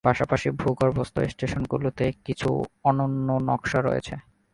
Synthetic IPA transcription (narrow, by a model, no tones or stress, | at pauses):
paʃapaʃibʱuɡoɾbɔst̪o̰esʈeʃonɡṵlot̪ekit͡ɕʰṵɔnonːonɔ̰kʃaɾo̰jḛt͡ɕʰe